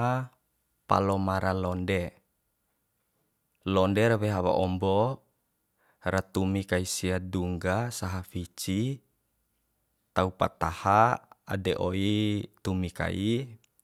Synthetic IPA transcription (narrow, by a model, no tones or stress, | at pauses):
a | pa̰lɔmaɾalɔnde | lɔndɛɾβɛɦaβa̰ʔɔmbɔ | ɾat̪umikaisiaduŋɡasaɦafit͡ʃi | t̪aupa̰t̪ahaa̰dɛʔoit̪umika̰i